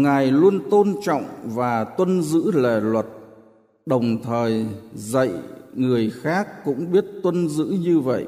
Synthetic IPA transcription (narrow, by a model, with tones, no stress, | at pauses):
ŋa˨˩jlu˧ənt̪o˧nt͡ɕɔ̰˧˨wŋ͡mvaː˨˩t̪wə˧nzɨ̰˧˥le˨˩lwə˨˩t̚ | ɗə˨˩wŋ͡mt̪ʰəː˨˩jzə̰˧˨jŋɨ˨˩əjxaː˦˥k̚ːʊ̰˧˥ŋ͡mɓi˦˥ət̚t̪wə˧nzɨ̰˧˥ɲɨ˧və̰˧˨jʔ